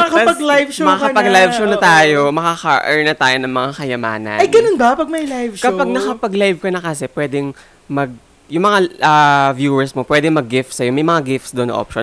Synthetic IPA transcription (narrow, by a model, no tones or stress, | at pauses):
ɐɐkɐpɐɡlajvʃomɐkakɐpɐɡlajvʃownɐt̪aːjomɐkɐkɐʔɛɹnɐt̪aːjo̞nɐŋmɐŋakɐjɐma̰ːnɐ̰nɐjɡɐnonbɐpɐɡ̚mɐjlajvʃkɐopaɡ̚nɐkɐpɐɡlajvkɐnɐkɐsɛpwɛːd̪ɛŋ | mɐɡ̚ | jʊŋmɐŋaʔavjuːwɛɹsmopwɛːd̪ɛŋmɐɡːɪft̪sɐjomɐjmɐŋaɡɪft̪sd̪oʔnɐ̰ʔo̰pʃo